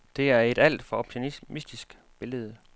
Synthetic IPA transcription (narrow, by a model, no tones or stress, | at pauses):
d̥e̝æɐe̝d̥æl̰d̥fɒ̽ɒ̽b̥t͡sʰinmisd̥isɡ̥ | b̥e̝ləð̞̩ˠə